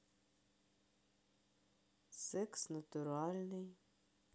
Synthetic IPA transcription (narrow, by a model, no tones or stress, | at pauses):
sɛksnɐt̪ʊɾɑlʲnɪj